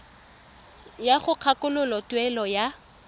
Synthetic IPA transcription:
jaχʊq͡χʰakʊlʊlɔtwɛlɔja

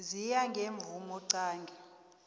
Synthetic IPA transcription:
zijaŋɡʱeɱb̪vumɔǀaːŋɡʱɛ

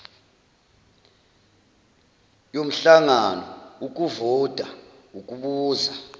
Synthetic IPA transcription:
jom̩ɬaŋanɔuk̬ʼuvɔd̥ʱʼa | uk̬ʼuɓuːza

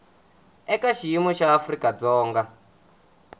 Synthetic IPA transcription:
ɛkaʃijimɔʃaːfrikʼad͡zɔːŋɡa

